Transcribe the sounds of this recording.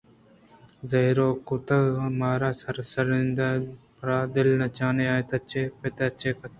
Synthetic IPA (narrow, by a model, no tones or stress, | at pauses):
zɐɦɾoːkʊt̪ɐmaːɾaːsɐɾsɐɾɪnd̪a | pɾaːd̪ɪlnɐt͡ʃaːneaːt̪ɐt͡ʃeːpɐt̪at͡ʃeːkɐ